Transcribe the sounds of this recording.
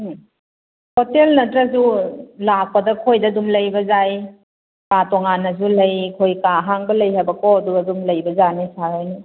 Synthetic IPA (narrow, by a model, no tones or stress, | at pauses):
hotelnɐtɾɐzulak̚pɐdɐkʰojdɐdumlɐjbɐzaj | katɔŋanɐzulɐjkʰojkaɦaŋbɐlɐjhabɐkɔduadumlɐjbɐzanisaɾojni